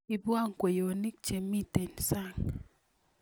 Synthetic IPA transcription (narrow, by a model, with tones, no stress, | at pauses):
i˨bwa˦˨ŋkwe˨jo˨ni˦k̚t͡ʃe˨mːi˦te˨nsa˦˨ŋ